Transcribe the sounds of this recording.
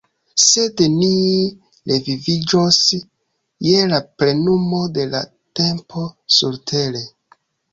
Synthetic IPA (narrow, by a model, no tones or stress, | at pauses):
se̞dni | levivid͡ʒo̞s | je̞laple̞numo̞de̞la̰ | te̞mpʰo̞suɾtʰe̞le